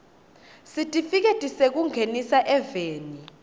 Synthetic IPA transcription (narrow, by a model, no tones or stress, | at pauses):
sitʼifik̬etʼisek̬uŋʱenisaʔɛveːni